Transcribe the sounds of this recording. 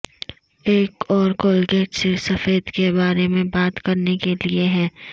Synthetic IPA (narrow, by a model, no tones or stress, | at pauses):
eːkɔːɾkoːlɡɛːʈsesɐfeːd̪kebaːɾemẽbaːt̪kɐɾnekelieɦɛ̃ː